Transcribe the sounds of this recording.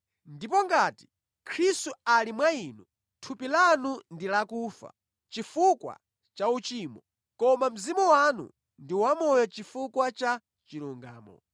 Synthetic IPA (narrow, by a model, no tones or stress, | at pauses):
ndipɔŋɡati̥ | kʰɾistualimwainu | tʰupilanundilakuːfa̰ | t͡ʃifukwa̰ | t͡ʃaut͡ʃiːmɔ | kɔmam̩zimuwanṵ | ndiwamɔjɔt͡ʃifukwat͡ʃa | t͡ʃiɾuŋɡa̰ːmɔ̰